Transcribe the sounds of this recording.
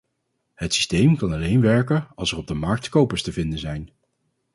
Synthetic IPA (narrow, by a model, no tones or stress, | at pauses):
ɦətsi̥stejmkɑnɑlejnʋɛɹkəɑlˠsərɔb̚dəmɑɹk̚tkowpəɹstəvɪndənzɛjn